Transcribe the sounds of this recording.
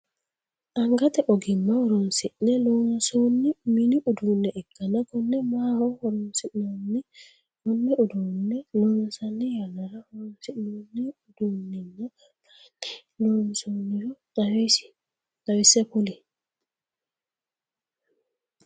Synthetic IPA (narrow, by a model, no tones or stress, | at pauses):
ʔaŋɡatɛʔɔɡimːaɔɾɔnsiʔnɛlonsonːiminiʔudunːɛʔɛkːanakɔnːɛmahɔhɔɾɔnsionːi | lɔnːɛudunːɛlɔnsanːɛjanaɾahɔɾɔnsinɛnɛuduninːa | lonsoniɾɔɗawesi̥ | ɗawisɛpuli